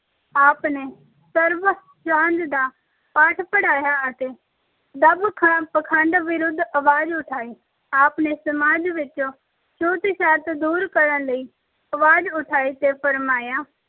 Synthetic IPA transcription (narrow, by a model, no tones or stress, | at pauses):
aːpneː | səɾʋ | t͡ʃãːnd͡ʒ̪d̪aː | paːʈʰpəɽaːjaːət̪eː | d̪əbkʰəɳ̃ãːpəkʰãːɳɖʋɪɾʊd̪ʱəʋaːd͡ʒʊʈʰaːiː | aːpneːsəmaːd͡ʒʋɪt͡ʃoː | t͡ʃoːt̪iʃaːt̪d̪uːɾkəɾənləiː | əʋaːd͡ʒʊʈʰaːiːt̪eːpʰəɾmaːjaː